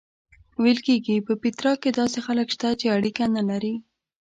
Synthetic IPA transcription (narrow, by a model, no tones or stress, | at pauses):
welkeɡipəpit̪ɾɑked̪ɑsexaləkʃt̪at͡ʃeaɽikanalaɾi